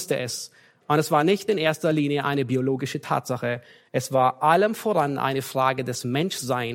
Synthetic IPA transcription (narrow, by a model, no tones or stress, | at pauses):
stəʔɛs | ʔʊntɛsv̥aːɐnɪçtɪnʔeːɐstɐliːnjəʔaɪnəbioloːɡɪʃətʰa̰ːtz̥aχə | ʔɛsv̥aːɐʔaləmfoːʁanʔa̰ɪnəfʁ̥aːɡədɛsmɛnʃz̥aɪn